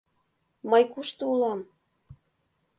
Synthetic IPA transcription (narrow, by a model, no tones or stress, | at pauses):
mɤjkuʃt̪ɤulɑm